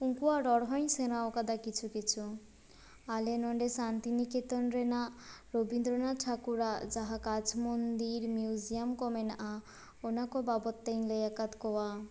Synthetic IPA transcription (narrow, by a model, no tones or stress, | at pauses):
uŋkuwaɖɔɽɦɔj̃nsenaɔkad̪akit͡ɕʰukit͡ɕʰu | alenɔɳɖesant̪iniket̪ɔnɾenaɾobind̪ɾonaʈʰakuɾad͡ʒaɦakat͡ʃʰmond̪iɾmjiuzijamkɔmenaʔa | onakɔbabɔt̪ːejnlejakat̪kɔwa